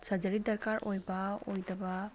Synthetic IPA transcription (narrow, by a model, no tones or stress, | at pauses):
sad͡ʒaɾit̚d̪aɾkaɾʔojbaojd̪aba